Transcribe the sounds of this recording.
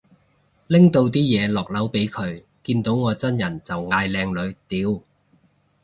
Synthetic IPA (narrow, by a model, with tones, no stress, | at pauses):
lɪ˥ŋt̪o˧wt̪̬iː˥jɛː˨˧lɔː˨˩k̚lɐ˨˥wpe˨˥jkʰɵ˨˧ɥ | kiː˧nt̪o˨˥wŋɔː˨˧t͡sɐ˥njɐ˨˩nt͡sɐ˨wŋaː˧jlɛː˧ŋlɵ˨˧ɥt̪iː˨˧w